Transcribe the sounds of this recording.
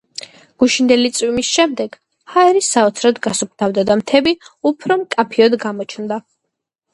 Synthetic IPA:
ɡ̥uʃind̪ɛlit̪sʼwimisʃɛmd̪ɛɡ̥ | haɛɾisaɔt̪sʰɾɔd̪ɡasup̚ʰt̪ʰavd̪ad̪amt̪ʰɛbiupʰɾɔmkʼapʰiɔd̪ɡamɔt͡ʃʰnd̪a

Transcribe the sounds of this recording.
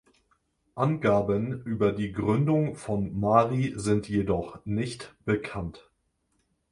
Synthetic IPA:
ʔanɡaːbənʔyːbɐdiːɡʁʏndʊŋfɔnmaːʁizɪntjedɔχnɪçtb̥əkʰant

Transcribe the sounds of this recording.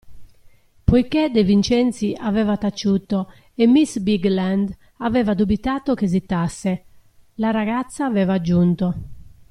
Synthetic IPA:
pojked̪ɛvint͡ʃɛnt̪siʔavɛːvat̪at͡ʃːut̪o | ɛmːisbiɡland̪ | avɛːvad̪ubit̪aːt̪okezit̪ːasːɛ | laɾaɣat̪sːaːvɛːvad͡ʒːunt̪ɔ

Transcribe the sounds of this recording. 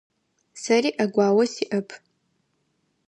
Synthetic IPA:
saɾiʔaɡʷaːwɐsiʔɐpʰ

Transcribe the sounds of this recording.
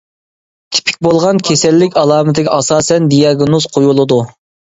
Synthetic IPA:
t̪ʰɪ̥pʰɪ̥k̚ʲbolˠʁɑnkʲʰesɛlːɪkʲɑlˠɑːmɪt̪ʰɪɡʲɛʔɑsɑːsɛnd̪ijɑɡnuz̥qʰojulˠɨd̪u

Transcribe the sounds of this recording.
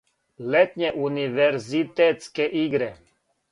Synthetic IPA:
lɛt̪ɲɛʔuniʋɛɾzit̪ɛt̪skɛʔiɡɾɛ

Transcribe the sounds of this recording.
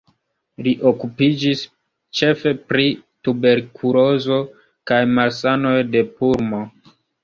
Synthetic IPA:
liʔo̞kupid͡ʒis | t͡ʃe̞fe̞pɾitube̞ɾkʰulo̞zo̞ | kajmalsano̞jde̞puɾmo

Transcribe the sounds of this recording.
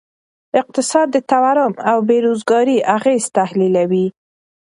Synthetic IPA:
ɪq̚t̪ɪsɑd̪ːət̪awaɾʊmawbeɾozɡɑɾiʔaɣez̥t̪ahlilawi

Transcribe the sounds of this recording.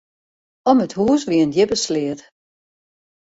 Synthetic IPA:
ɔməthuːsʋiəndjɪpəslɪət

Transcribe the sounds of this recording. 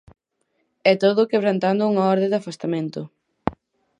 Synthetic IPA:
ɛt̪oðʊkeβ̞ɾant̪and̪ʊuŋaɔɾðed̪afast̪amẽnt̪ʊ

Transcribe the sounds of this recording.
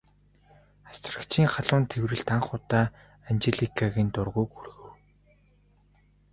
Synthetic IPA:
ḁsrə̆kt͡ɕʰiːŋχaɮʊːnt̪ʰewrɘ̆ɮt̪aɴχʊt̪aː | ant͡ɕeɮikʰaɣiːnt̪ʊrʁuːkxurɣɘ̆w

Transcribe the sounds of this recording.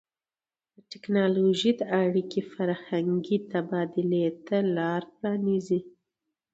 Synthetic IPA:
d̪əʈɪknɑloʒid̪əaɽikifaɾhaŋɡit̪abɑd̪ɪlet̪alɑɾpɾɑnizi

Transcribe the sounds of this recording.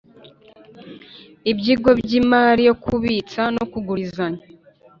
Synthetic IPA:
ibɟiɡo̞bɟimaːɾijo̞kʰuβit͡sano̞kuɡuɾizaɲa

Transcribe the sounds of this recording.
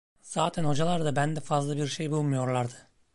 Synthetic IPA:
z̥aːt̪ʰænod͡ʒalˠɑɾd̪abænd̪ɛfazlˠabiɾʃejbolˠmujoɾlˠɑɾd̪ɯ̥

